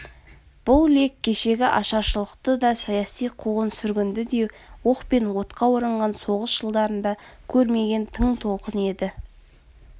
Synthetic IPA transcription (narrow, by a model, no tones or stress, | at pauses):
b̥ʊlˠle̞kʲʰːe̞ʃe̞ɡʲɪʔɑʃɑʃəlˠəqt̪əd̪ɑsɑjɑsijqʰuʁənsʏɾɡʲɪnd̪ɪd̪e̞woqpe̞nwo̞t̪qɑwʊɾəɴʁɑnso̞ʁəsʒ̥əlˠd̪ɑɾənd̪ɑkʲʰɵɾme̞ɡʲe̞nt̪ʰəɴt̪ʰo̞lˠqəne̞d̪ɪ